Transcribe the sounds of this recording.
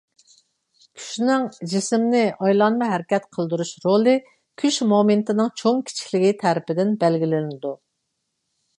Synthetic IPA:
kʲʰy̥ʃnɪŋd͡ʒismnɪʔɑjlˠɑnmɨɦæɾɪkʲɛt̪qʰəlˠd̪uɾuʃɾolˠɨ | kʲʰyʃmoment̪ʰɨnɨŋt͡ʃʰoŋkʲʰi̥t͡ʃʰi̥kʲlɪɡʲit̪ʰæɾɪpɪd̪ɪnbɛlɡʲilɪnɪd̪u

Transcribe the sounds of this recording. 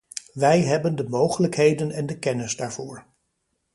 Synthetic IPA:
ʋɛjɦɛbəndəmowχələkɦejdənɛndəkɛnɪzdaːɹv̥ʊːɹ

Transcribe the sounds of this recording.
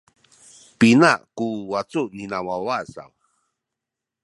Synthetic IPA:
pinakuwat͡suninawawasa̰w

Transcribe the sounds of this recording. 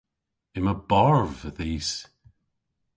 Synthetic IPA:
ɪməbaɹvəðiːs

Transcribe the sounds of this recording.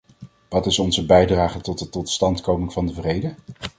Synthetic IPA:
ʋɑtɪsɔnzəbɛjdraːχətɔt̚dətɔtstɑntkowmɪŋv̥ɑndəvrejdə

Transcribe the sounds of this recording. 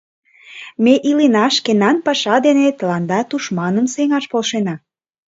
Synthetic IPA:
meʔilenɑʃkenɑnpɑʃɑd̪enet̪əlɑnd̪ɑt̪uʃmɑnəmseŋɑʃpolʃenɑ

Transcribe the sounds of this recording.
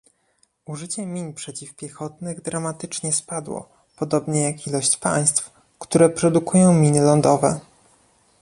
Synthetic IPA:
uʐɘt͡ɕɛmʲiɲpʂɛt͡ɕifpʲjɛxɔt̪nɘɣd̪ɾamat̪ɘt͡ʂɲɛspad̪wɔ̰ | pɔd̪ɔbɲɛjakilɔɕt͡ɕpa̰j̃st̪f | kt̪uɾɛpɾɔd̪ukujɔ̃w̃mʲinɘlɔnd̪ɔvɛ̰

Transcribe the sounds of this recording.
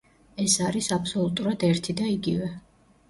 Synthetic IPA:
ɛsaɾisapʰsɔlˠut̪ʼuɾad̪ɛɾt̪ʰid̪aiɡivɛ

